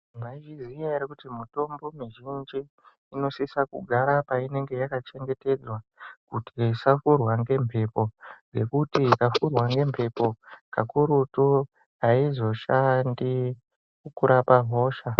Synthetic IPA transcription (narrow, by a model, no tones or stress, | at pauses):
maiʒizijaiɾikutimito̞mbo̞miʒind͡ʒiː | no̞sisakuɡʱaɾapaine̞ŋɡe̞jakat͡ʃe̞ŋɡe̞te̞d͡zwakutisafurwaŋɡe̞mpʰe̞po̞ɡe̞kutikafurwaŋɡe̞mpʰe̞po̞kakuɾutu | aizo̞ʃandi | kukuɾapaɦo̞ːʃa